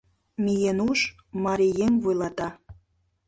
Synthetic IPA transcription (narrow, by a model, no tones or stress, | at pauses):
mijenuʃ | mɑɾijemvujlˠɑt̪ɑ